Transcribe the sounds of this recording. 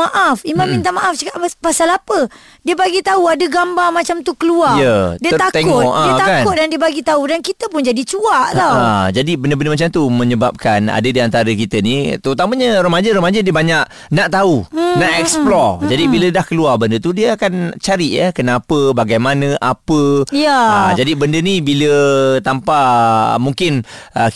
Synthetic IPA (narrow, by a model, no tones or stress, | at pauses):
maʔafimãmmĩnt̪amaʔafd͡ʒakaʔpasalapə | diəbaɡit̪auadəɡambamat͡ʃamt̪ukəluajədiət̪akt̪eŋʊt̪ʔaiət̪akanʊt̪̚dandiəbaɡit̪audankit̪əpʊnd͡ʒadit͡ʃuaʔt̪awad͡ʒadibəndəbəndəmat͡ʃamt̪umə̃ɲəbap̚kana̰dədiant̪aɾəkit̪ənit̪əɾut̪aməɲəɾomad͡ʒəɾomad͡ʒədiəbaɲaʔ̚ | naʔt̪aunaʔɛksplɔd͡ʒadibilədahkəluarbəndət̪udiəakant͡ʃaɾiʔjə̰kənapəbaɡajmanə̃ʔapəjaad͡ʒadibəndənibilət̪ampamuŋkɪn | ə